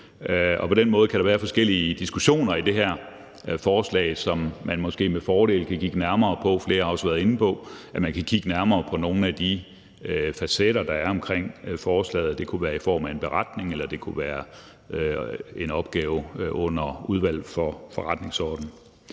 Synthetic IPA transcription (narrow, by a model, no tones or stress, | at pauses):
ɒ̽pʰɒ̽d̥enmɔ̽ð̞̩ˠkʰæɾ̥ɑ̈ʋæːɐfɒ̽sɡ̥el̰iəd̥isɡ̥uɕo̝̰ːnɐid̥e̝ɦæɐ̰ | fɒːslɛ̰ːɪsɒ̽mːænmɒ̽sɡ̥e̝̰ːmefɒːɾ̥e̝̰ːl̩kʰækʰiɡ̥ənæɐmɐːpʰɒ̽fle̝ːɐhɑ̈ɒ̽sʋæɐðˠe̝n̩pʰɒ̽ʔæmænkʰækʰiɡ̥ənæɐmɐːpʰɒ̽no̝ːn̩æd̥i | øfæseɾ̥ɐd̥ɑ̈æɐɒ̽mkʰʁeŋ̰fɒːslɛ̰ːðˠd̥e̝kʰuʋæːɐifɒ̰ːmæe̝nb̥e̝ʁɑd̥ne̝ŋelɐd̥e̝kʰuʋæːɐ | e̝nɒ̽b̥ɡ̥ɛːʊɔ̽n̰ɐuð̞ˠʋæl̰fɒfɒʁad̥ne̝ŋsɒːd̥n̩